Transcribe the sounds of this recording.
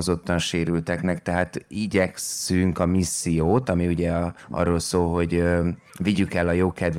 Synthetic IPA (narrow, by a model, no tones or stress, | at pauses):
ozo̞t̪ːɒnʃeːɾylt̪ɛknɛkt̪ɛɦaːt̪iɟɛkssyŋkɒmisːijoːt̪ɒmiuɟɛɒ̰rːoːlsoːlɦo̞ɟ | viɟykɛlːɒjoːkɛd̪